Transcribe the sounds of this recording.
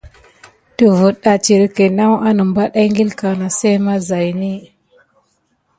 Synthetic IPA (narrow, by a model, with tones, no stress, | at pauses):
tə˨vu˨ɗa˨t͡ʃi˨ɾi˦ke˨na˦wʔa˦nə˨mba˦ɗa˦ŋɡi˦lka˨na˨se˦ma˦za˨jni˦